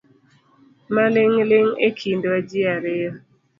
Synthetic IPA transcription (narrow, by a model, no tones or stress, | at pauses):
malɪŋlɪŋekʰindoad͡ʒiaɾɪɔ